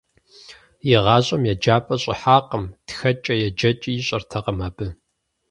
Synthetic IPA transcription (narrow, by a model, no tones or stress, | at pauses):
jɪʁɑːɕʼɐmjɛd͡ʒaːpʼɐɕʼɪ̰ħaːqəmtxɐt͡ʃʼɐjɛd͡ʒɐt͡ʃʼijɪɕʼɐrtʰɐqɐmaːbɨ